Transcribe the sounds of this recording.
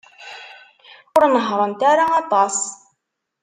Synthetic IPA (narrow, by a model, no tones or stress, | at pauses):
ʊɾnəɦɾˤənt̪æɾaɑt̪ˤɑs